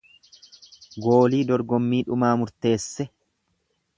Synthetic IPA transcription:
ɡo̞ːliːd̪ɔɾɡɔmːiːᶑʊmaːmʊɾt̪e̞ːsːɛ

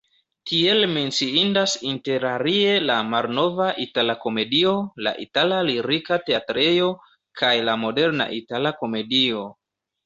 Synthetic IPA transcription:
tie̞lme̞nt͡siindasinte̞ɾaɾie̞lamalno̞vaʔitalako̞me̞dio̞la̰ʔḭtalaliɾikate̞atɾejo̞ | kʰajlamo̞de̞ɾna̰ʔitalako̞me̞dio̞

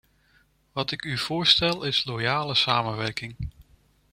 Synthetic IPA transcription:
ʋɑtɪkyv̥ʊːɹstɛlˠɪslojaːləsaːmənʋɛɹkɪŋ

